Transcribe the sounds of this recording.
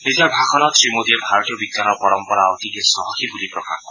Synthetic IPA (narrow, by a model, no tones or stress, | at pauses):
nid͡ʒabʱakʰɔnɔsɾimod̪iebʱaɾɔt̪ijɔbiɡ̪janɔpɔɾɔmpɔɾaɔt̪ikesɔɦɔkʰibulipɾɔka̰kɔ